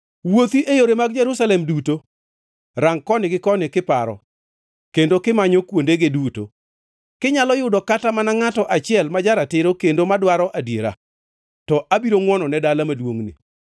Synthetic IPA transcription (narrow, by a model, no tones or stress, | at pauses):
wot̪iʔejoɾemaɡd͡ʒɛɾusalɛmduto | ɾaŋkɔnɪɡɪkɔnɪkɪpaɾɔ̰ | kendokɪmaɲɔkwondeɡɪduto̰ | kɪɲalɔjʊdɔkatamanaŋatɔʔat͡ʃɪɛlmad͡ʒaɾatɪɾokendomadwaɾɔʔadjeɾa̰ | tɔʔabiɾoŋwɔnɔnɛdalamadwoŋnḭ